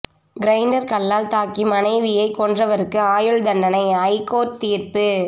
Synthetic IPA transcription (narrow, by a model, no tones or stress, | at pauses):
ɡɾɐɪɳɖɐɾkɐɭːaːlt̪aːkimɐnɐɪʋɪjɐɪkːɔndrɐʋɐɾɯkːɯaːjɯɭd̪ɐɳːɐnɐɪɐɪkoːʈ̚t̪iːrpɯ